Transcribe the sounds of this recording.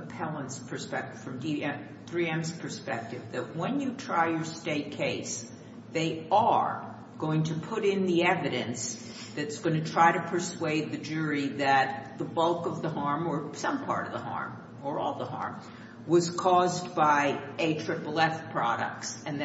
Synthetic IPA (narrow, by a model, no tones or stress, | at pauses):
əpʰɛlˠə̃nspʰə˞spɛk̚tɨv̥fɹʌ̃mdiɛ | θɹiɛ̃mzpʰə˞spɛk̚tɨvðɨt̚wɨ̃njɨtʰɹ̥aɪjə˞steɪt̚kʰeɪs | ðeɪə˞ | ɡ̥oʊɪ̃ŋtʰɨpʰʊɾɪ̃nðiɛvɨɾɨ̃ns | ðɨɾɨtsɡ̥ʌ̃ñɨtʰɹ̥aɪɾɨpʰə˞sweɪd̪̚ðɨd͡ʒʊɹiðɨt̪̚ðəbʌlˠkʌvðəhɑɹmə˞sʌ̃mpʰɑ̰ɹɾʌvðəhɑ̰ɹm | ə˞ɔ̰lˠðəɦɑ̰ɹm | wʌz̥kʰɔzbaɪeɪtʰɹ̥ɪpl̩ˠɛfpʰɹ̥ɑ̰ɾɨ̰k̚tsɨ̃nð